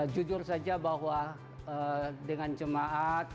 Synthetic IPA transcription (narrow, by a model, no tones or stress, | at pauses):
d͡ʒud͡ʒʊrsad͡ʒabaɦwa | ədəŋant͡ʃəmaʔat̪̚